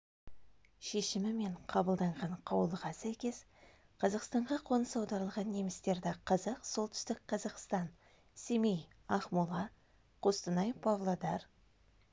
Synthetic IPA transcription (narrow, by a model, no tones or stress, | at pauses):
ʃe̞ʃɪmɪme̞ɴqʰɑbəlˠd̪ɑɴʁɑɴqʰɑwəlˠəʁɑsæjkʲe̞s | qʰɑzɑqst̪ɑɴʁɑqʰo̞nəsɑwd̪ɑɾəlˠʁɑnːe̞mɪst̪e̞ɾd̪ɪqʰɑzɑqso̞lˠt̪ʏ̥st̪ɪk̚qʰɑzɑqst̪ɑn | semej | ɑχmulˠɑ | qʰost̪ənɑjpʰɑvlˠod̪ɑɾ